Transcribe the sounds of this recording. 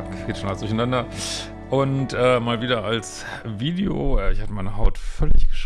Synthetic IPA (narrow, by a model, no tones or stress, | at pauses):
ʁeːtʃonasdʊçanandɐ | ʔʊntʔɛːmaːlviːdɐals | viːdeo̰ːʔɛːɪçhatəmaɪnəhaʊtfœlɪçɡ̥ə̥ʃ